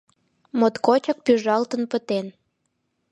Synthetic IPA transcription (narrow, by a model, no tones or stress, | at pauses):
mot̪kot͡ɕɑk̚pyʒɑlt̪ə̆npət̪en